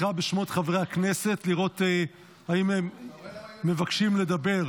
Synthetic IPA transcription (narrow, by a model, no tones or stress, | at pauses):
χabeʃmo̞t̪χavʁeakne̞se̞tliʁo̞tː | haimhemː | e̞vakʃimle̞d̪abe̞ʁ